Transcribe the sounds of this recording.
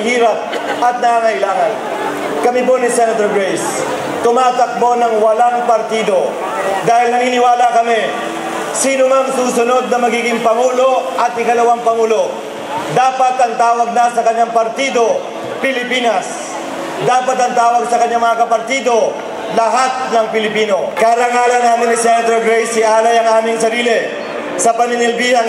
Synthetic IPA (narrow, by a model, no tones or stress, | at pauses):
hiːɾɐp̚ | ɐt̪̚nɐŋaːŋɐʔɪlaːŋɐn | kɐmɪponɪsɛnɐt̪oɹɡɹɛjs | t̪ʊmaːt̪ɐk̚bonɐŋwɐlaŋpɐɾt̪iːd̪o̞ | d̪aːhɪlnɐniːnɪwaːlakɐmɪ | siːnʊŋaŋsuːsʊno̞d̪̚nɐmɐɡiːɡɪŋpɐŋuːlo̞ʔɐt̪̚ɪkɐlɐwaŋpɐŋuːlo̞ | d̪aːpɐt̪ɐŋt̪aːwɐɡ̚nɐsɐkɐɲːaŋpɐɾt̪iːd̪o̞ | pɪlɪpiːnɐs | d̪aːpɐt̪ɐŋt̪aːwɐɡsɐkɐɲːaŋmɐŋakɐpɐɾt̪iːd̪o̞ | lɐɦat̪̚nɐŋpɪlɪpiːno̞kaːɾaŋaːlɐnɐŋmɪnɪsɛnd̪ɾoɡɾɛjsɪʔaːlɐjɐŋʔaːmɪŋsɐɾiːlɪ | sɐpɐnɪnɪlbiːhɐn